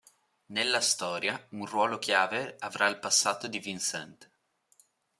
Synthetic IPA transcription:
nelːast̪ɔːɾjaunrwɔːlokjaːveavɾailpasːaːt̪od̪ivinsɛnt̪

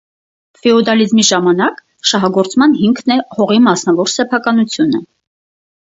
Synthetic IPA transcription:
fɛɔd̪ɑlizmiʒɑmɑnɑk | ʃɑɦɑɡɔɾt͡smɑn̪ɦiŋkʰnɛhɔʁimɑsnɑvɔɾsɛpʰɑkɑnut͡sʰjunə

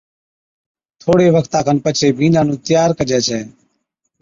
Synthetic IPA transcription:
t̪ʰoːɽeːʋəkʰt̪ãːkʰənpət͡ʃʰeːbʱiːnãːnũːt̪ɪjaːɾkəd͡ʒɛːt͡ʃʰɛː

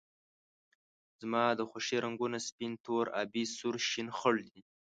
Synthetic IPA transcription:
z̥mɑd̪əxoʂiɾaŋɡunaspint̪ʰoɾɑ̰bisuɾʃinxʊɽd̪i

